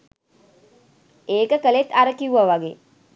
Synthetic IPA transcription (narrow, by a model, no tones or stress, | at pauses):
eːkəkəlet̪ːaɾəkiuʋaʋaɡeː